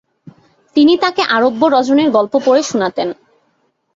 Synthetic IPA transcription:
t̪init̪akeʔaɾobːoɾɔd͡ʑoneɾɡɔlpopoɾeʃunat̪en

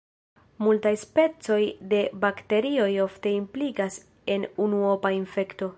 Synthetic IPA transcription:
multajspe̞t͡so̞jde̞bakte̞ɾio̞jo̞fte̞impliɡas | e̞nunuopainfe̞kto̞

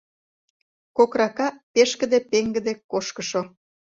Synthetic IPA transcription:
kokrɑkɑpeʃkə̆d̪epeŋɡə̆d̪ekoʃkəʃo

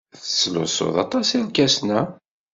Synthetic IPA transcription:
θə̥sːlʊ̰so̰ðˤɑ̰t̪ˤɑsɪɾkæsnæ

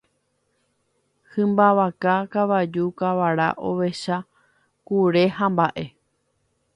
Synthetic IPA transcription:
hɨ̃mbaʋakakaʋad͡ʒukaʋaɾa̰ʔo̞̰ʋe̞ʃa | kuɾe̞hãmbaʔe̞

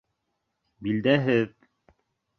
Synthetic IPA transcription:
bild̪æɦɘð

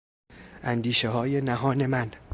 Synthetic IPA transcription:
ʔænd̪iːʃeɦɒːje̞næɦɒːne̞mæn

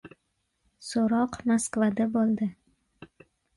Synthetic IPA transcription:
soɾɒqmaskvad̪abolˠd̪ɪ

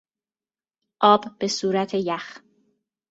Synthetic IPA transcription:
ʔɒːb̥ːe̞suːɾæt̪ʰejæx

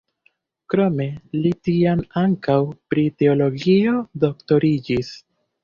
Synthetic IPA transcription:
kɾo̞me̞litiamaŋkawpɾite̞o̞lo̞ɡio̞do̞kto̞ɾid͡ʒis

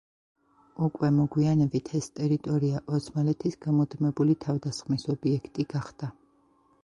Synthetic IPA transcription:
ukʼwɛmɔɡwianɛbit̪ʰɛst̪ʼɛɾit̪ʼɔɾiaʔɔsmalɛt̪ʰisɡ̥amɔd̪mɛbulit̪ʰavd̪asχmisɔbiɛkʰt̪ʼiɡ̥aχd̪̥a

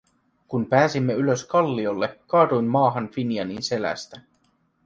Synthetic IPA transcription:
kumpæːsimːeyløskɑlːio̞lːekɑːd̪ujmːɑːɦɑnfinjɑninse̞læ̰st̪æ

